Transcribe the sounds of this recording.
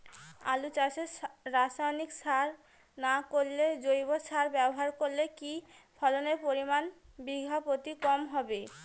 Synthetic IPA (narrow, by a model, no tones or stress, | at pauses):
a̰lut͡ɕaʃeːasajniksaɾ | nakoɾːed͡ʑojbosʰaɾbɛboɦaɾkoɾlekifʰɔloneɾpoɾimanbiɡʱapot̪ikɔmɦɔbe